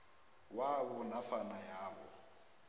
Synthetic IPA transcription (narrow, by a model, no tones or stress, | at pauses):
wawʊnafanajaːβɔ